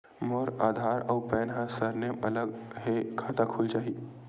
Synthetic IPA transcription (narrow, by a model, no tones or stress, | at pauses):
moɾaːd̪ʱaːɾɔːpɛːnɦə̃səɾnemɐləɡɦekʰaːt̪akʰʊlt͡ʃaːɦi